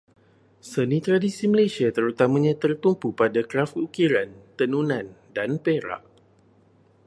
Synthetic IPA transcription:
sənĩt̪ɾadisiməlesiat̪əɾut̪amãɲãt̪ərt̪umpupadakɾafukiɾant̪ənunãndanpeɾa̰ʔ

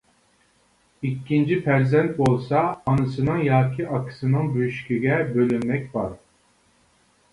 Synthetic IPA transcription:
ikʲːint͡ʃʰipæɾzɛnt̪̚bolˠsɑːnɨsɨnɨŋjɑːkʲʰiʔɑkʰɨ̥sɨnɯŋbyjyʃkʲiɡʲɛbølynmɛkʲbɑɾ

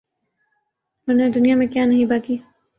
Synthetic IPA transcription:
mʊned̪ʊnijamẽkjaːnɐɦĩbaːkiː

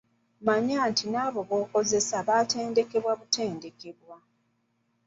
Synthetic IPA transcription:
maɲaːntinaːβo̞βo̞ːko̞ze̞saβaːte̞ːnde̞ke̞βwaβute̞ːnde̞ke̞βwa

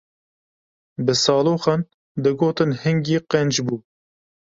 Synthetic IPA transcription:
bɨsɑːloːxɑn | d̪ɨɡoːt̪ɨnhɨŋɡiːqɛnd͡ʒbuː

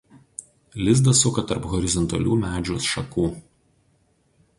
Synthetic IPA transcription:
lʲɪzd̪ɐsʊkɐt̪ɐɾpɣɔɾʲɪzɔnt̪ɐ̰lʲṵːmʲæːd͡ʒʲuːsʃɐkuː

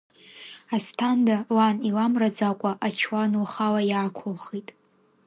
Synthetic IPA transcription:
astʰandalanilamrad͡zakʷʼaʔat͡ʃʰwanuχalajaːkʷʰʊlχitʼ

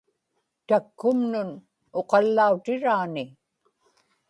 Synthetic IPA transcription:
t̪akːʊmnʊn | oqɑlːaut̪ɪɻaːnɪ

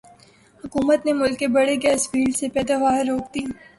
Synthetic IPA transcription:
hʊkuːmət̪nemʊlkːebɐɽekespiːlsepɛːd̪aʋaːɦɾːoːk̚t̪iː

